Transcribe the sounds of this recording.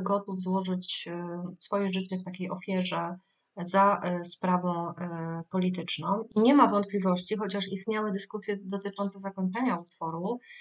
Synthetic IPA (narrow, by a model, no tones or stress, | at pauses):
ɡɔt̪uvzwɔʐɘt͡ɕ | sfɔjɛʐɘt͡ɕɛft̪akʲejɔfʲjɛʐɛ | zaspɾavɔ̃w̃pɔlʲit̪ɘt͡ʂnɔ̃w̃iɲɛmavɔnt̪̚plʲivɔɕt͡ɕixɔt͡ɕaʂist̪ɲawɘd̪ɘskusʲjɛd̪ɔt̪ɘt͡ʂɔnt̪sɛzakɔɲt͡ʂɛɲaut̪fɔɾu